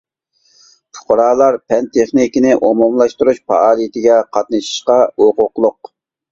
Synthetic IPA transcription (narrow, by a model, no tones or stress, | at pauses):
t͡ʃʰʊ̥qʊɾɑːlˠɑɾpʰɛnt̪ʰeχnikʲinɪʔomomlˠɑʃt̪uɾuʃpʰɑ̰ɑːlˠijt̪ʰɪɡʲɛqʰɑt̪nɨʃi̥ʃqɑoqʊqlˠʊq̚